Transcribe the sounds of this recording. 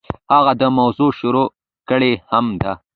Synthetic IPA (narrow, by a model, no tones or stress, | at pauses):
haɣad̪əmawzuʃʊɾo | kəɽehamd̪a